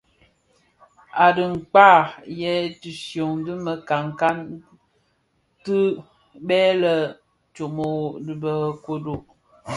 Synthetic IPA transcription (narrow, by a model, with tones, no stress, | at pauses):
a˨dɨ˨ŋ̩˨k͡pa˦˨jɛ˦tɨ˨sjo˨ŋdɨ˦mə˨ka˨ŋ˨ka˦n | tɨ˦ | bɛː˦lə˦ | t͡ʃo˨mo˨dɨ˨bə˨ko˦do˨